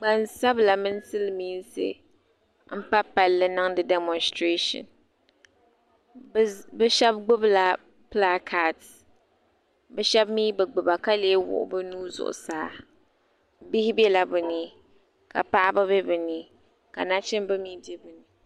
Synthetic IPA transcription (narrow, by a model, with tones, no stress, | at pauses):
ɡ͡ba˨nsa˦bla˨mɨ˦n˦sɨ˦lmiː˦n˦sɨ̰˦˨ | m̩˦pa˦pa˨lːɨ˦nɨ˦ŋdɨ˨dɛ˦mɔ˨nstɾe˦ʃɔ̰˨n | bɛ˦ʃɛ˦b̚ɡ͡bʊ˦bla˨ | pla˦kʰa˨t | bɛ˦ʃɛ˦bmiː˦bɨ˨ɡ͡bʊ˨ba˨ka˦leː˦wʊ̰˨ʔʊ̰˨bɨ˦nuː˦zʊ̰˨ʔʊ̰˨saː˦ | bɪ˦hɪ˦bɛ˦la˨bɨ˨niː˦ | ka̰˨pa˦ʔa˦bɨ˦bɛ˦bɨ˨niː˦ | ka̰˨na˦t͡ʃɪ˦mbɨ˦miː˦de˦bɨ˨ni˨